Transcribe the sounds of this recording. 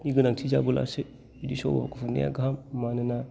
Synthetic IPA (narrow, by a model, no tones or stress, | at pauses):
niɡɯnaŋtʰid͡ʒabula̰se | idisɔ̰ba̰bakʰufuŋnḭja̰ɡɦamːanɯna